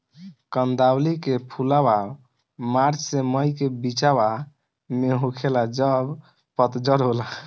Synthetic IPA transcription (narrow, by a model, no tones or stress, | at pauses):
kənd̪ablikepʰulaba | maɾt͡ʃseməjkebit͡ʃaba | meɦokʰelad͡ʒəb | pət̪d͡ʒəɾɦola